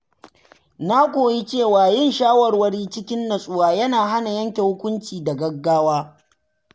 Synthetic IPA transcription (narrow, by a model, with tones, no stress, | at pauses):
na˦kʷoː˨ji˦t͡ʃeː˦˨waː˨jɪ˦˨nʃaː˦wɐ˨rwɐ˦ɽiː˦t͡ʃɪ˦kʲɪ˦nːɐ˨sʼʊː˦waː˨jɐ˦naː˨ɦa˦na˨jɐ˦ŋkʲe˨hʊ˦kʷʊ˦nt͡ʃiː˨da˨ɡɐ˦ɡːaː˦waː˦